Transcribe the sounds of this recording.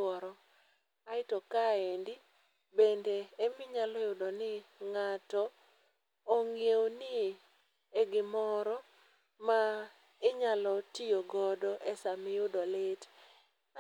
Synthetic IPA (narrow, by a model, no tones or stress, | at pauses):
ɔɾɔ | aɪtɔkaendɪ | bendeːmɪɲalɔjʊdɔnɪŋatɔː | ŋeonɪ | eɡɪmɔɾɔ | ma | ɪɲalɔtijoɡɔdɔʔɛsamɪjʊdɔlɪt